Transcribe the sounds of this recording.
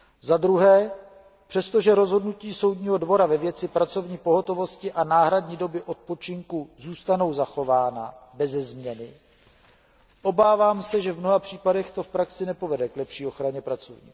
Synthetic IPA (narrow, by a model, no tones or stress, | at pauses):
zad̪ɾuɦɛː | pr̥ɛst̪o̞ʒɛɾo̞zɦo̞dnuciːso̞wdɲiːɦo̞dvo̞ɾavɛvjɛt͡sɪpɾat͡so̞vɲiːpo̞ɦo̞t̪o̞vo̞scɪʔanaːɦɾadɲiːdo̞bɪʔo̞t̪̚po̞t͡ʃɪŋkuzuːst̪ano̞wzaxo̞vaːna̰bɛzɛzmɲɛnɪ | ʔo̞baːvaːmsɛʒɛvmno̞ɦapr̝̥iːpadɛxt̪o̞fpɾaksɪnɛpo̞vɛdɛklɛpʃiːo̞xɾaɲɛpɾat͡sovɲḭː